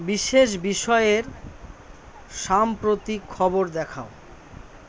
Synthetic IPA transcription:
biʃeʃ̬biʃɔeeɾ | ʃampɾot̪ikʰːɔboɾd̪ɛkʰao

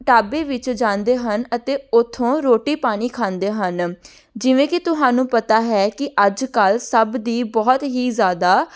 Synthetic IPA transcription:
ʈaːbeːʋɪt͡ʃd͡ʒãːnd̪eːɦənət̪eːʊt̪ʰːõːɾoːʈiːpaːɽ̃iːkʰãːnd̪eːɦən | d͡ʒɪʋẽːkɪt̪ʊɦaːnũːpət̪aːɦɛːkɪʔəd͡ʒkəlsəbd̪iːbɔːt̪ɦiːzjaːd̪aː

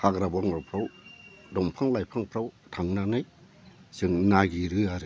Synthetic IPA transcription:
pʰakɾabɔŋɾɔpʰɾaw | dɔmpʰaŋlajpʰaŋpʰɾawtʰaŋnanɯj | sɯŋnaɡiɾɯaɾɯ

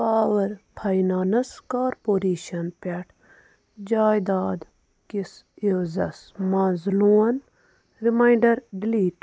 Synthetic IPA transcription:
paːʋɐɾpʰɐjnaːnɐskaːɾpoːɾiːʃɐnpʲeʈʰ | d͡ʒaːjd̪aːd̪ | kis | izɐsmɐnzluːɐn | ɾimajɳɖɐɾɖiliːʈ

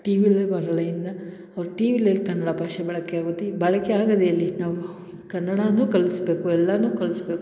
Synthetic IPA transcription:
ʈiːʋilebɐɾɐɭɐjind̪ɐ | ɐʋɾuʈiːʋiːlelkɐnːɐɽɐbʱaːʂɛbɐɭɐkeaːɡɐt̪ibɐɭɐkeaːɡɐd̪eɐlːinaːʋu | kɐnːɐɽanuːkɐɭisbe̞ːkuɛlːɐnuːkɐɭisbe̞ːku

